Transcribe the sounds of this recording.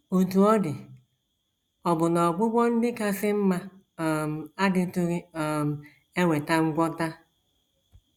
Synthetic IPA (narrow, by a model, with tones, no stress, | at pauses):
o˨tu˨ɔ˦dɪ˨ | ɔ˨bʊ˨nɔ˨ɡ͡bʊ˦ɡ͡bʷɔ˦n̩˦dɪ˦ka˦sɪ˦m̩˦ma˦˨ | m̩˨a˦dɪ˦tʊ˦ɾɪ˦ɔ˨m̩˨ | e˦ŋʷe˨ta˦ŋ̩˦ɡʷɔ˦ta˦